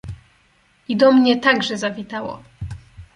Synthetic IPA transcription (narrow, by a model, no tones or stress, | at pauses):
id̪ɔmɲɛt̪aɡʐɛzavʲit̪awɔ̰